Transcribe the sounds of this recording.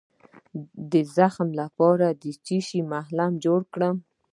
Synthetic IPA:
d̪əzaxmlapɑɾad̪ət͡ʃiʃimahlamd͡ʒoɽkɽəm

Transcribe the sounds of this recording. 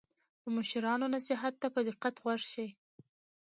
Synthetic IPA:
d̪̥əmʊʃɪɾɑnonasɪɦat̪ːapəd̪ɪqːat̪ɣwaʐʃij

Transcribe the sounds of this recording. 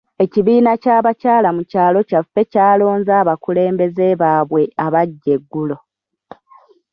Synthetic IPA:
e̞ciβiːnacaːβacaːlamucaːlo̞cafːe̞caːlo̞ːnzaːβakule̞ːmbe̞ze̞βaːβwe̞aβaɟːe̞ɡːulo̞

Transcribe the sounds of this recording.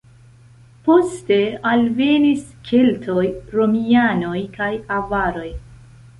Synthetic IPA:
po̞ste̞alve̞niskʰeltʰo̞jɾo̞miano̞jkajavaɾo̞j

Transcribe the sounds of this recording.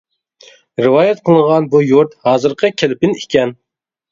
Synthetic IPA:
ɾɪwɑːjɛt̪̚qʰəlˠəɴʁɑnbujuɾt̪hɑːzɨɾqʰəkʲʰelɪpɪnikʲɛn

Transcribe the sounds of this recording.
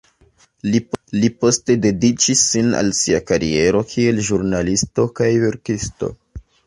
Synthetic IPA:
lilipo̞ste̞de̞dit͡ʃisːina̰lsiakaɾḭe̞ɾo̞kʰie̞lʒuɾnalisto̞kajve̞ɾkisto̞̰

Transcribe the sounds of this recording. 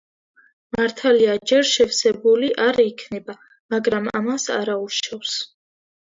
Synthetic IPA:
maɾt̪ʰaliad͡ʒɛɾʃɛfsɛbuliʔaɾikʰnɛba | maɡɾama̰masa̰ɾauʃɔfs

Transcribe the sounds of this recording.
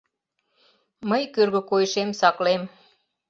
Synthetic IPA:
məjkørɣə̆kojʃemsɑklem

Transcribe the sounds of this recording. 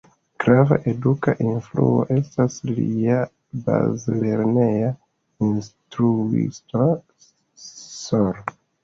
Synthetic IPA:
ɡ̥ɾava̰ʔe̞dukaʔinflṵo̰ʔe̞staslia | ba̰zleɾne̞ja | instɾuḭsto | soɾ

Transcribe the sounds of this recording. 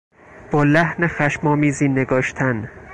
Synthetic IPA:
b̥ɒːlæhnexæʃmɒːmiːziːneɡɒːʃt̪ʰæn

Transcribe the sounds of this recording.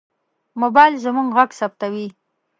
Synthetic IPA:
mobɑjlzəmuŋɡɣaɡsap̚t̪awi

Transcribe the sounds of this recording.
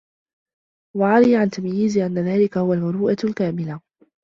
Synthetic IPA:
waʕaɾiːʕant̪amjiːzʔanːaðaːlɪkahʊwalmʊɾuːʔalkaːmɪla

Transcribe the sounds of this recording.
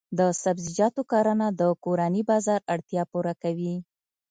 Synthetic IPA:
d̪əsabzid͡ʒɑt̪okɑɾanad̪əkoɾanibɑzɑɾaɽt̪jɑpuɾakawi

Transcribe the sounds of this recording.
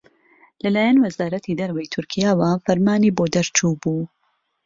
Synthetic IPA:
lɐlaːjanwɐzaːɾɐt̪ʰid̪ɐɾwɐjt̪ʰʊɾkʰijaːwafɐɾmaːniːboːd̪ɐɾt͡ʃuːbuː

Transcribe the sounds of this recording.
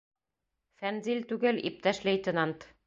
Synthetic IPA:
fænzilʲt̪ʉɡɘlḭp̚t̪æʃlejt̪ʲɪ̆nɑnt̪

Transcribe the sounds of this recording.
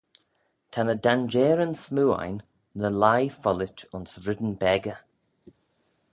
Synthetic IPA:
tʰanədand͡ʒɛːɾənsmuːa̰jnː | əlajfɔlɪtʊnsɾɪd̪ənbɛɡə

